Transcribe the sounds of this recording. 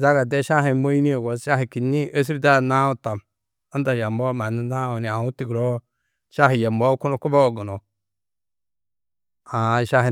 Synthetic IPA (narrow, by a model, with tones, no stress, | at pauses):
za˦ɡa˨de˦ʃa˦ɦi˨mo˦ji˦ni˦o˨ɡo˨sʃa˦hi˨ki˨ni˦ʔə˦s̬i˦ɾda˦˨na˦u˦˨ta˨m | a˦da˨ja˨mbɔ˦ma˨ni˦na˦u˨ni˨a˨u˦ti˨ɡɾo˦ | ʃa˦ɦi˨ja˨mbo˦ku˦no˨ku˦bo˦˨ɡu˨no˨ | a˨ʃa˦ɦi˨